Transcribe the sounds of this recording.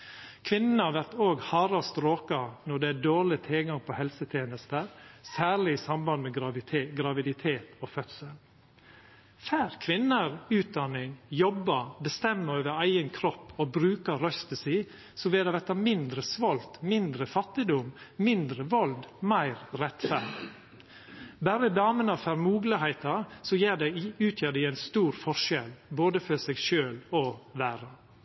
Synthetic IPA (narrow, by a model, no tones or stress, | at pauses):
kʰʋɪnənəhɑʋæɾt̪oːɡhɑːɾɑst̪ɾoːkɑnɔɖɛæɖoːɭɪt̪ʰɪlɡɑŋpʰɔhɛlsət̪ʰjeːnəst̪əɾsæːɭɪɪsɑmbɑnmɛɡɾɡɾɑʋɪd̪ɪt̪ʰeːt̪ofœt̪səl | fæːɾkʰʋɪnːəɾʉːt̪̚d̪ɑnɪŋjɔbːəbəst̪ɛmːəɾøːʋəɾæɪənkʰɾɔpːɔbɾʉːkəɾœst̪əsiː | sɔʋeːd̪ɑʋɛt̪ːəmɪnd̪ɾəsʋɔlt̪mɪnd̪ɾəfɑt̪ːɪd̪ʊmmɪnd̪ɾəʋɔld̪mæɪɾɾɛt̪fæɖɪ | bæːɾəd̪ɑːmənɑfæɾmuːɡləhæɪt̪ɑsɔjeːɖ̪ɛʉːt̪ʰjeːɖ̪ɪæɪnst̪uːɾfɔʃɛlboːd̪əfɔsɛɡʃøːloːʋæːɾə